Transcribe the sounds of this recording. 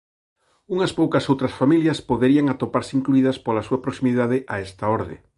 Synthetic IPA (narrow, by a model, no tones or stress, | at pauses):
uŋɐspowkɐsowt̪ɾɐsfamiljɐspoðeɾiɐŋat̪opaɾseiŋkluiðɐspolasuɐpɾoksimiðaðɪʔa̰ɛst̪ɐoɾðḛ